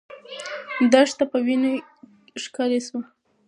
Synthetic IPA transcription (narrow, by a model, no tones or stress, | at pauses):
d̪aʂt̪apəwine | ʂkɑlesu